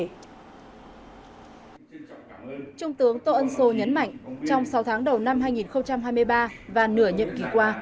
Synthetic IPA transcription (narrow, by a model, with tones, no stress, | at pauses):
t͡ɕʊ˧ŋ͡mt̪ɨ˨˦əŋt̪o˧ʔə˧nso˧ɲə˨˦nma̰˧˨jŋ̟t͡ɕɔ˧wŋ͡msa˨˦wt̪ʰaː˨˦ŋɗə˨˩wna˧mɦaː˧jŋi˨˩nxə˧wŋ͡mt͡ɕa˧mɦaː˧jmɨ˧əjɓaː˧vaː˨˩nɨ˧˩əɲə̰˧˨nki˧˩kwaː˧